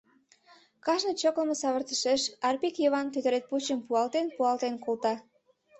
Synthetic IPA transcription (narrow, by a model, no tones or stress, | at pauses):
kɑʃnə̆t͡ɕokləməsɑβərt̪əʃeʃɑrpikjeβɑnt̪øt̪ə̆ɾet̪̚put͡ɕəmpuɑlt̪enpuɑlt̪enkolt̪ɑ